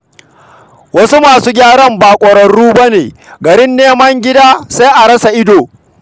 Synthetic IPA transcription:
wɐ˦su˦maː˨suː˦ɡʲaː˦ɽɐ˦mbaː˨kʷʼɐ˨ɽɐ˨ɽuː˦bɐ˦neː˨ɡɐ˨ɾɪ˦nːeː˦mɐ˦ŋɡʲɪ˦daː˦sa˦ʔa˨ɽɐ˦sa˨ʔɪ˦doː˨

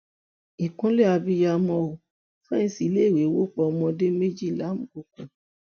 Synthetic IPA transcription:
i˨kũ˨˦lɛ˦a˧bi˧ja˧mɔ̃˧o˨ | fɛ˦ñ̩˧si˨˦le˦˨ɾe˨˦wo˦k͡pɔ˧ɔ˧mɔ̃˧de˦me˦d͡ʒi˦˨la˨˦mũ˨ko˨˧kũ˨

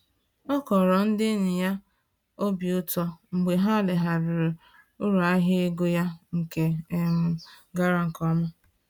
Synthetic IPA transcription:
ɔ˦kɔ˨ɾɔ˨n̩˦dɪ˦nɪ˨ja˦ | o˦bi˨ʊ˦tɔ˦ŋ͡m̩˨ɡ͡be˨ɦa˦lɪ˨ɦa˨ɾʊ˨ɾ | ʊ˦ɾu˨a˦ɦɪ˦e˦ɡo˦ja˦ŋ̩˨ke˨e˨mʊ˨ɡa˦ɾa˨ŋ̩˨kɔ˦ma˦

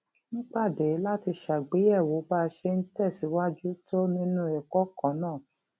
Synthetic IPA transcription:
nĩ˦k͡pa˦˨de˨˦la˦ti˧ʃa˨ɡ͡be˨˦ɛ˦˨wo˨˦ba˦ʃe˧n̩˦tɛ˦˨si˨˦wa˦d͡ʒu˦to˦nĩ˦nũ˦ɛ˨kɔ˨˦kã˨˦nãː˦˨

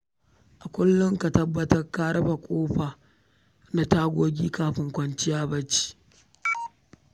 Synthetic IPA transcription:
ʔa˨kʷʊ˦lːʊ˦ŋka˨tɐ˦bːɐ˦tɐ˦rkaː˦ɾɐ˦ɸa˨kʷʼoː˦ɸa˨ | na˨taː˦ɡʷoː˦ɡʲiː˦kaː˦ɸɪ˦ŋkʷɐ˦nt͡ʃɪ˦jaː˦bɐ˦t͡ʃi̥˦

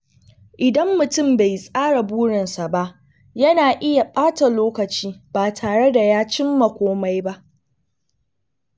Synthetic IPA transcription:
ʔɪ˨dɐ˦mːʊ˨tʊ˦mba˨jsʼaː˦ɽa˨buː˦ɽɪ˨nsa˨ba˦ʔ | jɐ˦naː˨ʔɪ˦ja˨ɓaː˦ta˨loː˦kɐ˨t͡ʃiː˦b̥aː˨tʰaː˨ɽe˦da˨jaː˦t͡ʃɪ˦mːa˨kʷoː˦ma˦jba˦ʔ

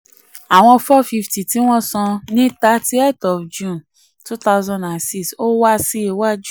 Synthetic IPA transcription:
a˨w̃ɔ̃˧fɔ˦fi˧fti˨ti˨˦w̃ɔ̃˦sɔ̃˧nĩ˦ta˦ti˦e˦˨tɔ˨fd͡ʒũ˦˨n | tu˦ta˧ʊzɔ̃˧nda˨nsi˦kso˦wa˦si˦i˧˨wa˦d͡ʒu˦

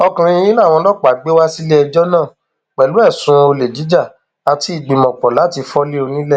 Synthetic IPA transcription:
ɔ˧kã˨ɾ̃ĩ˧i˦la˦˨w̃ɔ̃˧lɔ˦k͡pa˨ɡ͡be˦wa˦si˦le˦ɛ˧d͡ʒɔ˦nãː˦˨ | k͡pɛ˨lu˦ɛ˦˨sũ˧o˧le˨d͡ʒi˨˦d͡ʒa˦˨ | a˧ti˧˦i˦˨ɡ͡bĩ˨mɔ̃˨k͡pɔ˨la˨˦ti˧fɔ˦le˦o˧nĩ˦lɛ˦˨

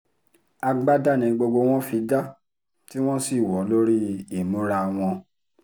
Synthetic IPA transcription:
a˧ɡ͡ba˦da˦˨nĩ˨˧ɡ͡bo˧ɡ͡bo˧w̃ɔ̃˦fi˨˦da˦ | ti˦w̃ɔ̃˦si˦˨wɔ˨˦lo˦ɾi˦e˦˨mũ˨˦ɾa˧w̃ɔ̃˧

